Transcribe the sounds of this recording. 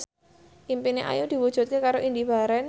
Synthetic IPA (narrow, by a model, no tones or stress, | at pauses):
ʔimpineʔa̰jud̪̥i̤wud̥ʒ̥ṳt̪̚kekaɾoʔind̪iba̤ɾɛn